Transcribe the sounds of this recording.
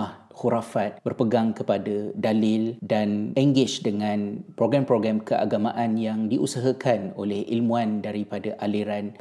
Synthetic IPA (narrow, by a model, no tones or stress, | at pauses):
ah | xuɾafat̪̚bərpəɡaŋkəpadadalɪldanɛŋɡɪt͡ʃdəŋãnpɾoɡɾampɾoɡɾamkəʔa̰ɡamãʔanjaŋdiʔusaɦakʰano̰lɛhʔilmũandaɾipadaʔaliɾan